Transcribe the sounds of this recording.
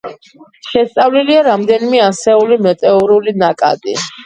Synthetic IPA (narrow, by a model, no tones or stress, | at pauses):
ʃɛst̪sʼavliliaɾamd̪ɛnimɛasɛulimɛt̪ʼɛuɾulinakʼa̰d̪̥i